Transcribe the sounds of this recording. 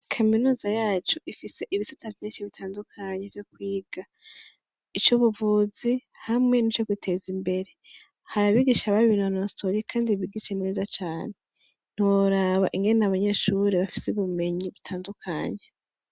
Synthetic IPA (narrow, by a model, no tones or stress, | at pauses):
kʰaminuːzajaːt͡ʃuʔifise̞ʔiβisatavjiːnʃiβitʰaːndukʰaɲevjokwiːɡ̥a | it͡ʃuβuvuzi | hamŋe̞nit͡ʃokwitʰe̞zimbe̞ɾe̞ | haɾaβiɡiʃaβaββinonostoɾikʰaːndiβiɡiʃene̞ːzat͡ʃaːne̞ | n̥iwoɾaβa̰ʔiŋɡe̞nnaβaɲe̞ʃuɾeβafi̥seβume̞ɲiβutʰaːndukʰa̰ɲe